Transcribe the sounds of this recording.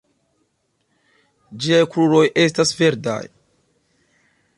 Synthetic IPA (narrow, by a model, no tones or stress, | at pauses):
d͡ʒiajkɾuɾo̞jʔe̞s̬tasve̞ɾda̰j